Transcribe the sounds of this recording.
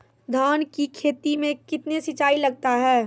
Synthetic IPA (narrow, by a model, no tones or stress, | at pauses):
d̪ʱaːnkikʰeːt̪imẽkɪt̪nesɪt͡ʃaːilɐɡ̚t̪aɦɛː